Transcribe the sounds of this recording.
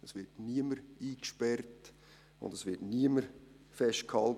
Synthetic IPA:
əsʋɪɾtniəməɾiːkʃpɛrt | ʊ̰ndəsʋɪɾtniəməɾ | fɛʃtkʰɑl

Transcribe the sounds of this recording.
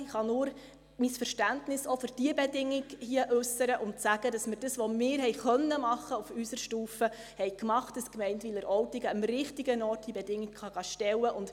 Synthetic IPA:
ɪχɑnʊːɾ | misfəɾʃtæntnɪsofʏɾd̥iəbɛdɪŋːɪɡhiəʔʉsəɾəʔʊntsæɡ̥ədɑsməɾd̥əsʋɔmɪːɾhɛjχœnːəmɑχːəufysəɾʃtuːfə | hɛjkmɑχt̚d̥əskmɛɪntʋɪləɾʔɔwtiɡəəmɾɪχtiɡənɔːrtd̥ibɛdɪŋːɪɡχɑɡɑʃtɛwəʔʊnt

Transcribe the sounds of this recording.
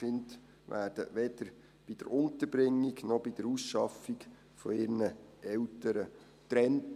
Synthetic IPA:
ɪnt | ʋæːrd̥əʋɛd̪̥əɾ | b̥id̥ə̰ɾʊnt̪əɾbɾɪŋːiɡnɔb̥id̥əɾusʃɑfiɡ | fɔɪɾnəɛltəɾə | t̪ɾɛnt

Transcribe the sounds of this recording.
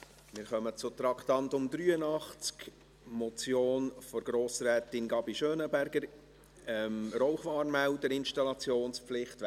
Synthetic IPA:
mɪɾχœmət͡sʊt̪ɾɑktɑntʊmd̪ɾyːənɑχt͡sk | mɔt͡sjoːnfɔɾɡ̥ɾoːsɾɛːtɪnɡɑbiʃøːnəbæɾɡ̥əɾ | ɛmɾɔʊχʋɑːɾmæwdəɾɪnʃtɑlɑt͡sjoːnspflɪχt

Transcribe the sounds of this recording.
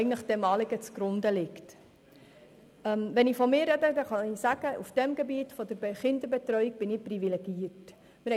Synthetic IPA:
ɡn̩tləχd̥ɛmɑːliɡət͡suɡ̥ɾʊndəlɪkt | ɛmvɛnɪfɔmɪːɾɛdədɛχɑnisæɡ̥əʔufd̥ɛmɡɛbiːtfɔd̥əɾbχɪndəɾbɛt̪rœʏik̚b̥ɪnɪprivileɡ̥iərt | mɪɾɛ

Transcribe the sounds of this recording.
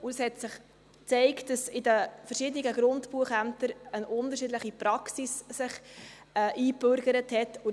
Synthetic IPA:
ʊəshɛtsɪχ | t͡sɛɪktd̥ɑsɪdəfəɾʃɪd̪əniɡəɡɾʊntpuəχæmtəɾənʊndəɾʃɪdləχipɾɑksissɪχ | ɛʔiːbøɾɡəɾəthɛtʊ

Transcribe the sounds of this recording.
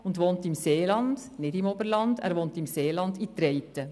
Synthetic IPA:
ʊndʋoːntəɪmseːlɑnd̥nɪdɪmoːbəɾlɑndæ̰ːɾʋoːntəɪmseːlɑndit̪ɾeɪtə

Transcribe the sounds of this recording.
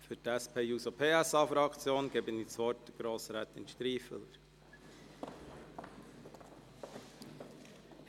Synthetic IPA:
fytæspʰeːjuːsopʰeːæsɑfɾɑkt͡sjoːnɡ̥ɛːbənit͡sʋɔtəɡ̥ɾoːsɾɛːt̪ɪ̰nʃtɾiːfə̰ləɾ

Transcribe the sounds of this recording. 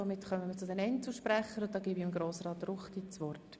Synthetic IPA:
omɪtχœməmət͡sʊdɛnɛntsl̩ʃpɾæχəɾʊt̚dɑːɡiːbiɪmɡɾoːsrɑːt̪rʊχtit͡sʋɔrt

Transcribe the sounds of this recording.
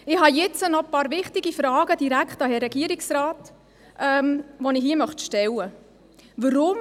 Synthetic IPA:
ɪhɑjɛt͡sənɔpɑːɾʋɪχtɪɡifɾɑːɡəd̥iɾækχtɑɦɛɾɛɡ̥iəɾiksraːt | ʔɛmʋɔnɪhɦiːəmœχt̪ʃtɛlə | ʋəɾʊm

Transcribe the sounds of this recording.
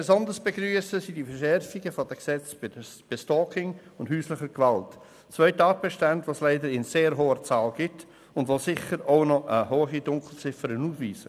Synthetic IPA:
b̥esɔndəsb̥eɡɾyːəsəsidifəɾʃɛɾfiɡəfɔd̥əksɛt͡sb̥ɪdəb̥ɪstɔːkɪŋʊndhyːslɪχəɡʋalt | t͡svœʏtɑːt̚b̥ɛʃtandʋoːslɛɪdəɾɪnseːɾɦoːət͡sɑːlɡ̥ɪt | ʊndʋosɪχəɾoʊnɔʔəɦoːχidʊŋkl̩t͡sɪfəɾənuːfviːsə

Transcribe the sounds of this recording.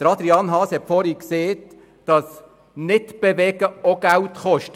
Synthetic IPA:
d̥əɾɑd̪ɾiɑnɦɑːshɛtfɔɾikseːt | d̥ɑs | nɪtb̥eʋɛɡ̥əoɡ̥æltχɔʃt

